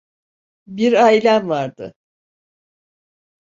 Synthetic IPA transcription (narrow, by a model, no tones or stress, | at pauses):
biɾaːilʲænvaɾd̪ɯ̰